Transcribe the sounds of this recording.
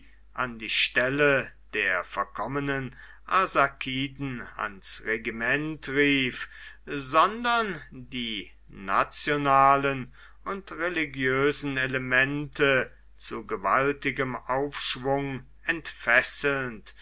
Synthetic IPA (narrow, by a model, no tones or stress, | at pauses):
ʔandiːʃtɛləd̥eːɐfɔɐkʰɔmənən | ʔazakʰiːdn̩a̰nsʁeɡimɛntʁiːfzɔndɐndiː | na̰t͡sjonaːlən | ʔʊntʁeliɡjøːzn̩eləmɛntʰə | t͡suɡəvaltɪɡəmʔaʊfʃv̥ʊŋ | ʔɛntfɛsl̩nt